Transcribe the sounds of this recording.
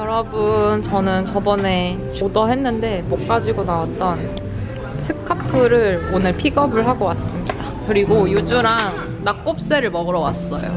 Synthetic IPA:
jʌɾʌbɯnt͡ɕʌnɯnt͡ɕʌbʌne̞ | t͡ɕodʌɦe̞nːɯnde̞mok̚k͈ad͡ʑiɡonawat̚t͈ʌn | sʰɯkʰapʰɯɾɯɾonɯɭpʰiɡʌbɯɭɦaɡowas͈ɯmɲida | kɯɾiɡojud͡ʑuɾanː | ak͈op̚s͈e̞ɾɯɭmʌɡɯɾʌwas͈ʌ̰jo̰

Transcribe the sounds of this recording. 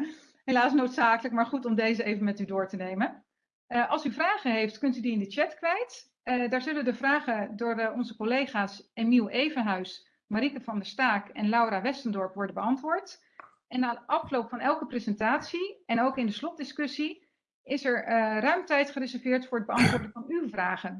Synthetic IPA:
ɦelaːsnowtsaːkələk̚maːɹχutɔmdejzəejvəmɛtydʊːɹtənejmən | ʔɑlˠsyvraːχəɦejftkɵntydiɪndət͡ʃɛtkʋɛjt | daːɹzɵləʋədəvraːχəndʊːɹɔnzəkɔlejχaːsemilˠejvənɦœɥs | maɾikəvɑndəstaːkɛnlɑwɾaːʋɛstəndɔɹpʋɔɹdənbəɑntʋʊːɹt | ɛnaːdəʔɑflowpfɑnɛlˠkəprezəntaːtsiɛnowkɪndəslɔt̚dɪskʏsi | ɪsɛɹrœɥmtɛjtχərɪzɛɹvɪːɹtfʊːɹəd̚bəɑntʋʊːɹdəvɑnywvraːχən

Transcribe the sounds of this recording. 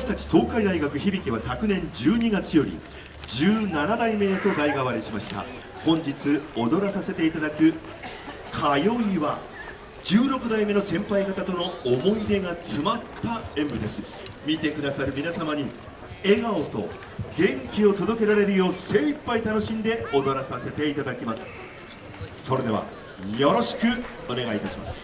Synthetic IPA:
aaɕi̥t̪at͡ɕi̥t̪o̞ːkaid̪aiɡakɯ̟çibʲikʲiβasakɯ̟nẽ̞ɲd͡ʑɨːɲiɡat͡sɨjo̞ɾʲḭ | d͡ʑɨːnanad̪aime̞d̪et̪o̞ɡ̪aiɡaβaɾʲiɕimaɕi̥t̪a̰ | hõ̞ɲd͡ʑit͡sɨo̞d̪o̞ɾasase̞t̪e̞it̪ad̪akɯ̟ | kʰajo̞iβa | d͡ʑɨːɾo̞kɯ̟d̪aime̞no̞sẽ̞mpaikat̪at̪o̞no̞omo̞id̪e̞ɡat͡sɨmat̪ːaẽ̞mbɯ̟d̪e̞sɨ̥ | mʲit̪e̞kɯ̟d̪asaɾɯ̟mʲinasamaɲ̟i | e̞ɡaot̪o̞̰ | ɡẽ̞ŋkʲio̞t̪o̞d̪o̞ke̞ɾaɾe̞ɾɯ̟jo̞ːse̞ːipːait̪ano̞ɕĩnd̪e̞o̞d̪o̞ɾasase̞t̪e̞it̪ad̪akʲimasɨ̥ | so̞ɾe̞d̪e̞βa̰ | jo̞ɾo̞ɕi̥kɯ̟ | o̞ne̞ɡait̪aɕima̰sɨ̥

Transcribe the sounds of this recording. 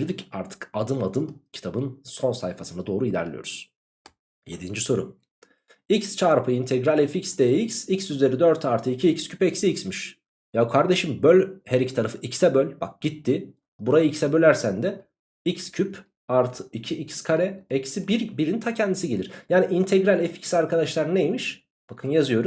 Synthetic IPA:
iɾd̪icaɾt̪ʰɯ̥kad̪ɯnad̪ɯncʰi̥t̪ʰabɯnso̞nsajfasɯnad̪o̞ːɾuilʲæ̰ɾlʲḭjo̞̰ɾu̥z̥ | je̞d̪ind͡ʒiso̞ɾṵm | icst͡ʃʰaɾpʰɯint̪ʰɛɡɾalʲɛficsd̪ejicsicsyzeɾid̪øɾt̪ʰaɾt̪ʰɯicʰiicscʰypɛcsiːcsmiʃ | jakʰaɾd̪e̞ʃimbølʲheɾict̪ʰaɾafɯʔicsɛbølʲba̰k̚ɟ̥it̪ːi | buɾajaicsɛbø̞lʲæɾsænd̪ɛ | icscʰyp | aɾt̪ʰɯ̥icʰiʔicskʰaɾɛɛcsibiɾbiɾint̪ʰacʰɛnd̪isiɟelʲiɾjaːniʔint̪ʰɛɡɾalʲɛfi̥csaɾkʰad̪aʃlˠaɾnejemiʃ | b̥akʰɯnjazɯjo̞ɾum

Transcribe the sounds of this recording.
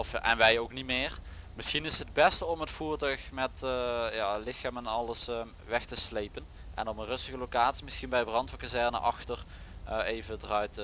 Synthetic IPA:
ɔfʔɛ̰nʋɛjowknimɪːrmɪsxinɪsəd̚bɛstəɔmətfuːɹtœɥxmɛtjaːlɪxaːmɛnɑləs | ʋɛxtəslejpən | ʔɛ̰nɔmənrɵstəɣəlowkaːtsimɪsxinbɛjbrɑntfɔkazɛɹnə̰ʔɑxtər | ejvədərœɥt

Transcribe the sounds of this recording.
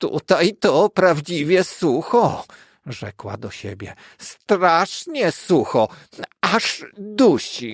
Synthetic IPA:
t̪ṵt̪ajt̪ɔpɾavd͡ʑivʲjɛsuxɔ | ʐɛ̰kwa̰d̪ɔɕḛbʲjɛ | st̪ɾaʂɲɛsuxɔ | aʐd̪uɕi

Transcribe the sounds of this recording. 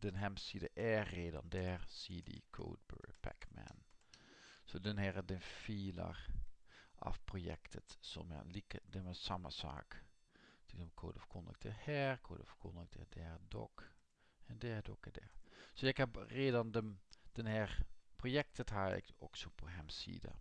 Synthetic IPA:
d̥ənɦɛmsidəʔɛːrːeːdɑ̰ndɛrsidḭkʰo̰ːd̚bøɹpɛ̰kmɛ̰n | sodənɦɛʁdənfiːlə̰r | ʔɑ̰fprojɛ̰ktʰətso̰mɛ̰likədəməsɑmə̰sa̰ːk | tɪkdəmkʰoːdəfkɔndə̰k̚tʰəhɛrkʰo̰ːdəfkɔndək̚tʰə̰dɛrdɔ̰k | ɛndɛɹdɔkɛdɛɹsojɛkhɛpreːdɑndəmd̥ənhɛrprojɛk̚təthaːɛ̰koksopoɦɛmsḭːdə̰

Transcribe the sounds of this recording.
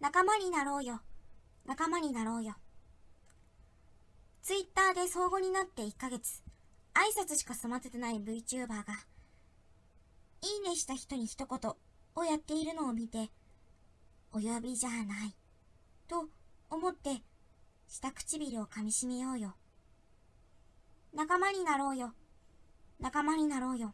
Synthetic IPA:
nakamaɲ̟inaɾo̞ːjo̞ | nakamaɲ̟inaɾo̞ːjo̞ | t͡sɨit̪ːaːd̪e̞so̞ːɡo̞ɲ̟inat̪ːe̞ikːaɡe̞t͡sɨ̥ | aisat͡sɨɕi̥kasomat̪et̪enaibɯ̟it͡ɕɨːbaːɡa | iːne̞ɕi̥t̪açi̥t̪o̞ɲ̟içi̥t̪o̞ko̞t̪o̞ːjat̪ːe̞iɾɯ̟no̞ːmʲit̪e̞ | ojo̞bʲiʑanai | t̪o̞omo̞t̪ːe̞ | ɕi̥t̪akɯ̟̥t͡ɕibʲiɾʲio̞kamʲiɕime̞jo̞ːjo̞ | nakamaɲ̟inaɾo̞ːjo̞ | nakamaɲ̟inaɾo̞ːjo̞

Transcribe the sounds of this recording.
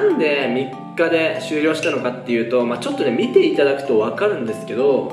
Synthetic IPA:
ãnd̪e̞mʲikːad̪e̞ɕɨːɾʲo̞ːɕi̥t̪ano̞kat̪ːe̞jɯ̟ːt̪o̞mat͡ɕo̞t̪ːo̞ne̞mʲit̪e̞it̪ad̪akɯ̟̥t̪o̞βakaɾɯ̟̃nd̪e̞sɨ̥ke̞d̪o̞

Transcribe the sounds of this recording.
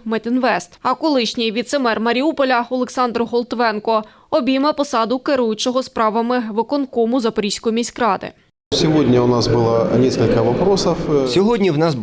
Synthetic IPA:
mɛt̪ʲɪnʋɛst̪ɐkɔlˠɪʃnʲɪjʋʲid̪t̪semɛrmɐɾʲiupɔlʲɐɔlˠeksɑnd̪ɾʊɦɔlˠt̪ʋɛnkɔ | ɔbʲimɐpɔsɑd̪ʊkeɾujʊt͡ʃɔɦɔspɾɑʋɐmɪʋɪkɔnkɔmʊzɐpɔɾʲisʲkɔjimʲisʲkɾɑd̪ɪ̰ | sʲɪʋodʲnʲɐʊnɑsbɨlˠɐnʲeskɐlʲkɐʋɐpɾosɐfsʲɔɦɔdʲnʲiwnɑs

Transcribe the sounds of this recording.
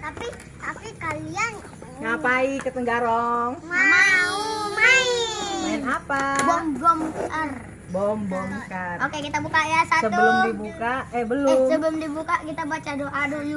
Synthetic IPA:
t̪api | t̪apikalian | ŋapaikət̪əŋɡaɾɔŋmamaumaiaɛnapabɔmbɔmkar | bɔmbɔmkarokekit̪abukajasatsəbəlʊmdibukaɛbəlʊsəbəlʊmdibukakit̪abat͡ʃadoʔadolu

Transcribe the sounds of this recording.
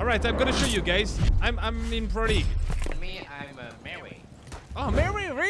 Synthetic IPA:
ɔlˠɹaɪtãɪ̃mɡʌɾɨʃoʊjɨɡaɪzãɪ̃mãɪ̃mɪ̃npʰɹ̥ɔɾimiãmmɛḭ | omɛɹiɹi

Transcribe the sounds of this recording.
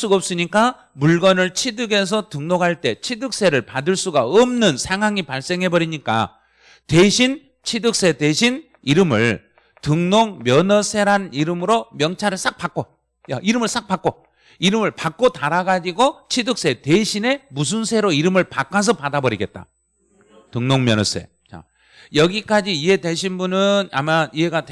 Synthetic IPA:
s͈uɡʌp̚s͈ɯɲik͈a | muɭɡʌnɯɭt͡ɕʰidɯɡe̞s̬ʰʌtɯŋnoɡɦaɭt͈e̞t͡ɕʰidɯk̚s͈e̞ɾɯɭpadɯɭs͈uɡaʌmnɯnsʰeŋɦaŋipaɭs͈e̞ŋɦe̞bʌɾiɲik͈a̰ | tweɕʰin | t͡ɕʰidɯk̚s͈e̞teɕʰin | iɾɯmɯ̰ɭ | tɯŋnoŋmjʌnʌsʰe̞ɾɦaniɾɯmɯɾomjʌŋt͡ɕʰaɾɯɭs͈ak̚p͈ak͈o | ja̰ʔiɾɯmɯɭs͈ak̚p͈ak͈o | iɾɯmɯɭpak͈̚otaɾaɡad͡ʑiɡot͡ɕʰidɯk̚s͈e̞teɕʰine̞mus̬ʰunsʰe̞ɾoiɾɯmɯɭpak͈ʰas̬ʰʌpadabʌɾiɡe̞t̚t͈a̰ | tɯŋnoŋmjʌnʌsʰe̞̰ | t͡ɕa̰ | jʌɡik͈ad͡ʑiːɦe̞deɕ̬ʰinbunɯna̰maiɦe̞ɡat

